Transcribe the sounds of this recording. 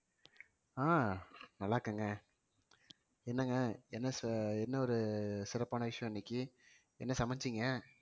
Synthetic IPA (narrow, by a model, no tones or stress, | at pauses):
aːnɐlːaːɾkːaːŋɡɐ | ɛnːɐŋɡɐɛnːɐsɛnːɐɔɾɯsɪɾɐpːaːnɐʋɪʂɐj̃ɛnːɪkːɯ | ɛ̰nːɐsɐmɐɲd͡ʒɪŋɡɐ